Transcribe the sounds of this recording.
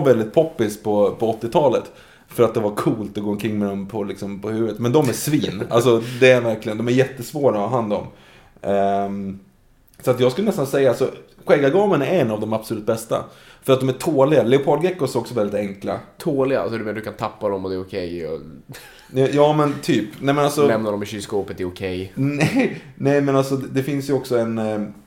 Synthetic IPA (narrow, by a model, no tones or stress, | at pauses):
vɛld̪ɪt̪̚pʰɔpːɪspʰɔpʰɔɔt̪ːɪt̪ʰɑːlət̪ | fœɾat̪̚d̪ɛvakʰuːlt̪ɔɡoːɔnkʰɾɪŋːmɛd̪ɔmpʰɔlɪksɔmpʰɔhʉ̟ːvət̪mɛnd̪ɔmæʂviːna̰lsɔd̪ɛæɾvæɾklɪɡənd̪ɔmæɾjɛt̪ːəsvoːɾaɦand̪ɔ̰m | sɔat̪jɑːskɵlːnɛst̪ansɛjːaalsɔɧɛːɡaɡɑːmənaɛnːavd̪ɔmabsɔlʉt̪̚bɛst̪a̰fœɾat̪d̪ɔmæʈʰoːlɪɡalɛʊpʰɑlɡɾɛkːʊsɔksɔvɛld̪ɪt̪ɛŋkla̰t̪ʰoːlɪɡa̰a̰lsɔd̪ɵmɛnad̪ɵ̟kʰant̪ʰapːad̪ɔmɔd̪ɛɾʊkʰɛjɔ̰ | ɛjɑːmɛnt̪ʰyːpnɛːmɛnalsɔnɛmnaɾɔmɪɕyskoːpət̪d̪ɛɾʊkʰɛjnɛ | nɛmɛnalsɔd̪ɛfɪnsjɵɔksɔɛn